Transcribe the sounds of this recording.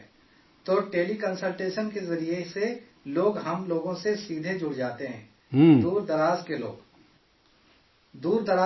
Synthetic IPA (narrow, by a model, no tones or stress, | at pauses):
t̪oːʈeːlikə̃nsəlʈeːʃənkezɐɾiese | loːɡɦɐmloːɡõsesiːd̪ʱed͡ʒʊɽd͡ʒaːt̪eɦɛ̃ː | d̪uːɾd̪ɐɾaːzkelo̰ːɡ | d̪uːɾd̪ɐɾaː